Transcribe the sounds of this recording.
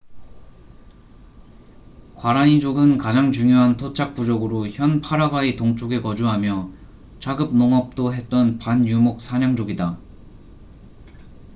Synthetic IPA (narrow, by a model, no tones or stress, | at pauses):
kwaɾaɲid͡ʑoɡɯnkad͡ʑaŋt͡ɕuŋjoɦantʰot͡ɕʰak̚p͈ud͡ʑʌɡɯɾoçjʌnpʰaɾaɡaetoŋt͡ɕ͈ʰoɡe̞kʌd͡ʑuɦamjʌ | t͡ɕaɡɯp̚noŋʌp̚t͈oɦe̞t̚t͈ʌnpanjumok̚sʰaɲaŋd͡ʑoɡida